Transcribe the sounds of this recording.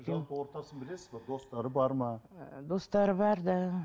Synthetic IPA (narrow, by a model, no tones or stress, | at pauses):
ʒɑpəwo̞ɾt̪ɑsənbɪle̞sɪzbed̪o̞st̪ɑɾəbɑɾmɑd̪o̞st̪ɑɾəbɑɾd̪ɑ